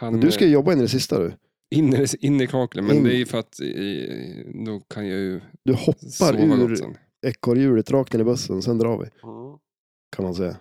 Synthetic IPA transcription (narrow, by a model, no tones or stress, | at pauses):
hɛnd̪ɵsskajəjɔbːaɪnːɪɾɛs̬ɪst̪a̰d̪ɵ̰ | ɪnːɪnːɪkʰɑːkləmɪnd̪ɛæɾjfœɾat̪ | d̪ɔkʰanjajɵd̪ɵhɔpːaɾʉ̟ɾ̰ | ɛkːɔɾjʉ̟ːɽət̪ɾɑːk̚t̪ɪːɾɪbɵsːə̰nɔsɛnd̪ɾɑːɾvɪ̰ | kʰanmansɛjːa̰